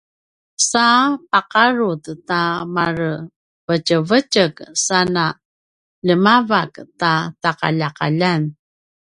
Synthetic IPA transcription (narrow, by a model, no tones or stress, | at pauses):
sapaqaɾuttamaɾ | vəcəvəcəksana | ʎəmavaktataqa̰ʎaqa̰ʎan